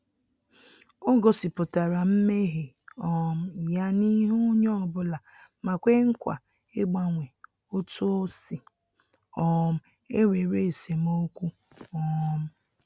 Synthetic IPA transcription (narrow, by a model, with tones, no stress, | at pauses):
o˦ɡo˨sɪ˨pʊ˨ta˨ɾa˨m̩˦me˦ɦe˨ | ɔ˨m̩˦˨ja˦ni˦ɦu˦ɲɔ˦˨bʊ˦la˨ | ma˨kʷe˦ŋ̩˦kʷa̰˨ | e˦ɡ͡ba˦ŋʷe˨ | o˦tu˦o˦si˨ | ɔ˦˨m̩˦ | e˦we˨ɾe˦˨se˨m˦o˦kʷu˦ | ɔ˨˦m̩˦